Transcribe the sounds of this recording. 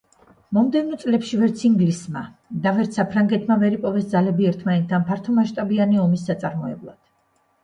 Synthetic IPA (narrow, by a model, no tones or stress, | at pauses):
mɔmd̪ɛvnɔt̪sʼlɛpʃivɛɾt̪sʰiŋɡlismad̪avɛɾt̪sapʰɾaŋɡɛt̪ʰmavɛɾipʼɔvɛsd̪zalɛbiɛɾt̪ʰmanɛt̪ʰd̪anpʰaɾt̪ʰɔmaʃt̪ʼabianiɔmisːat̪sʼaɾmɔɛ̰blˠa̰d̪̥